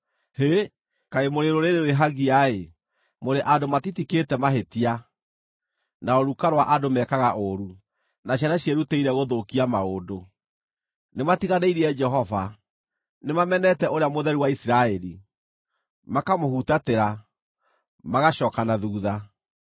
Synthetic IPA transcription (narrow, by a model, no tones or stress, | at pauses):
he | kaemoɾeɾoɾeɾeoweɦaɣiae | moɾeʔadomatitiketɛmaɦetia | naoɾukaɾwaʔadomɛkaɣaʔoɾu | naɕ̬anaɕjeɾuteiɾɛɣoðokiamaodo | nematiɣaneiɾiɛd͡ʒɛɦɔva | nemamɛnɛtɛʔoɾeamoðɛɾiwaisiɾaɛɾi | makamohutateɾa | maɣaʃɔːkanaðuːða